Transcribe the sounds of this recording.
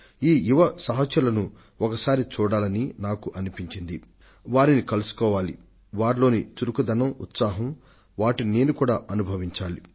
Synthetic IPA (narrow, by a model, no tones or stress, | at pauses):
iːjuʋɐsɐɦɐt͡ʃjɐlɐnu | ɔkɐsaːɾit͡ʃuːɽaːlɐninaːkuʔɐnipiɲt͡ʃind̪i | ʋaːɾinikɐlusu̥kɔːʋaːlḭ | ʋaːɾlo̞ːnit͡ʃuɾukud̪ɐnɐmṵt̪saːɦɐm | ʋaːʈine̞ːnukuːɽaːʔɐnubʱɐʋiɲt͡ʃaːli